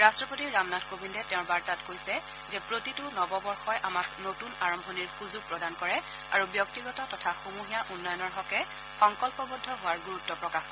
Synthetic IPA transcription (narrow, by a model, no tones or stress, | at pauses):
ɹastɹɔpotiɹɹamnatʰkobindɛtɛʊ̃baɹtatkojsɛ | zɛpɹotitʊnɔbɔbɔɹxɔjʔamaknotunaɹɔmbʱɔniɹxuzuɡ̚pɹɔdankɔɹɛ | aɹubjɔk̚tiɡɔtɔtɔtʰaxumuɦijaʔunːɔjɔnɔɹɦɔkɛ | xɔŋkɔlpɔbɔdʱːɔɦʊaɹɡuɹutːɔpɹɔkax